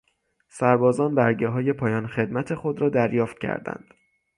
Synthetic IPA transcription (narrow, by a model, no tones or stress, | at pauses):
sæɾbɒːzɒːnbæɾɟeɦɒːje̞pʰɒːjɒːnxe̞d̪mæt̪ʰe̞xo̞d̪ɾɒːd̪æɾjɒːft̪̚cʰæ̰ɾd̪æ̰nd̪̥